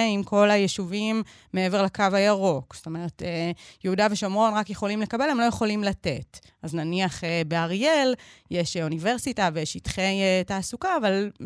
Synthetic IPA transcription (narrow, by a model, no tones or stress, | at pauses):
imko̞lajeʃuvimː | eevelakavajaʁo̞ksto̞me̞ʁetejeudaveʃomʁo̞nʁakjeχo̞limle̞kabe̞lhemlo̞jeχo̞limlate̞t | aznaniaχebeaʁjeljeʃunive̞ʁsitavejeʃitχejtaːsukaːval